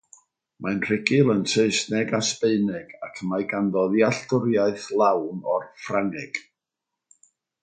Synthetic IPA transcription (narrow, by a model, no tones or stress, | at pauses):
mʔanr̥ɪɡɪlˠənseɨsnɛɡaspeɨnɛɡ̥akʰmaɨɡandɔðjaɬtʊɾjaɨθlˠawnɔrfraŋɛɡ̥